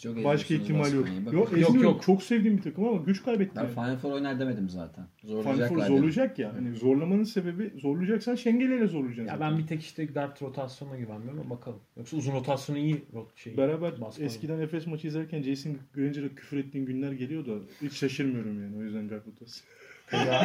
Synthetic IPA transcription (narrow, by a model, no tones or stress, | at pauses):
t͡ʃʰokbaʃkaiçt̪ʰimalʲjokjoɛjomiokt͡ʃʰo̞ksɛvd̪iːnbit̪ʰakɯmamaɟyt͡ʃkʰajbɛt̪ʰːfajfoɾojnaɾd̪eme̞d̪imza̰ːt̪ʰænzoɾfaj̪afoɾzoɾlˠujd͡ʒakjaɦanizo̞ɾlˠamanɯnse̞be̞bizo̞ɾlˠujd͡ʒaksanʃɛɲɟelʲelʲɛzo̞ɾlˠud͡ʒanja̰bænbit̪ʰɛci̥ʃt̪ɛɡaɾt̪ʰɾo̞t̪ʰasjonaɟyvænmijoɾumbakʰalˠɯmjoksauzunot̪ʰasjonijioʃebɛɾaːbæɾsɛsscʰid̪ænɛfɛsmat͡ʃʰɯjizæɾcʰænd͡ʒejsinɟøɾɛnd͡ʒeɾɛcʰy̥fɾɛt̪ːiːnɟynlʲæɾɟe̞lʲijo̞d̪ait͡ʃʃaʃɯɾmɯjo̞ɾumjaːnio̞jyzd̪ænɡaɾt̪o̞t̪ʰasɯ